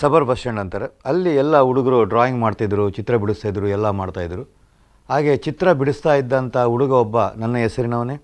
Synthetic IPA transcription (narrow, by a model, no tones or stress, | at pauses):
sɐbɐɾbʱɐʂeɳɖɐnt̪ɐɾeɐlːiɛlːɐuɽuɡɐɾuɖɾaːjiŋɡmaːɖt̪id̪ɐɾut͡ʃit̪ɾɐbiɽust̪aːjid̪ɐɾuɛlːɐmaːɽt̪aːjd̪ɐɾu | ɦaːɡe̞t͡ʃit̪ɾɐbiɽust̪aːjid̪ːɐnt̪ɐuɽuɡɐɔbːɐnɐnːɐɦɛsɐɾinɐːʋɐneː